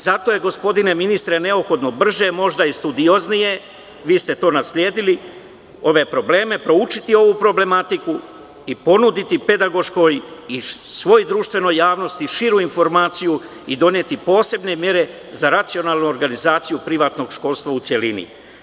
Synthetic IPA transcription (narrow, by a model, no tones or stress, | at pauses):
zat̪o̞je̞ɡo̞spo̞d̪ine̞minist̪ɾene̞opxo̞d̪no̞br̩ʒe̞mo̞ʒd̪aist̪ud̪io̞znije̞ | ʋiːst̪e̞t̪o̞ːnaslʲje̞ːd̪ili | o̞ʋe̞pɾo̞ble̞ːme̞pɾo̞ut͡ʃit̪io̞ʋupɾo̞ble̞mat̪iku | ipo̞nud̪it̪ipe̞d̪aɡo̞ʃko̞jisʋo̞jd̪ɾuːʃt̪ʋe̞no̞jːaːʋno̞st̪iʃiɾuinfo̞ɾmaːt̪siju | id̪o̞nje̞t̪ipo̞ːse̞bne̞mje̞ɾe̞ | zaɾat̪sio̞naːlnuoɾɡanizaːt̪sijupɾiʋaːt̪no̞ɡʃko̞lst̪ʋaut̪sʲje̞linḭ